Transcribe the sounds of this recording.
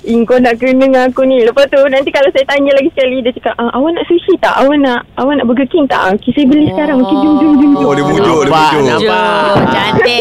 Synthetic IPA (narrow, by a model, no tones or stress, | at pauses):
iŋkonaʔkənəŋakunĩləpat̪unãnt̪ikalawsajat̪aɲalaɡisə̥kalidat̪əkaʔʔəʔawanaʔsusit̪a̰ʔawanaʔawanaʔbəɡəkiŋt̪a̰ʔukisajabəlisə̥kaɾaŋmũkɪnd͡ʒuŋd͡ʒuŋd͡ʒuŋd͡ʒodebodpaoaaa